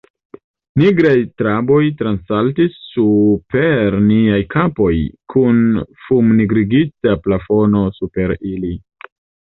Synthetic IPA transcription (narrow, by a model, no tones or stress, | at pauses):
niɡɾajtɾabo̞jtɾansaltisːupe̞ɾniajkʰapo̞jkʰunfumniɡɾiɡit͡saplafo̞no̞supe̞ɾili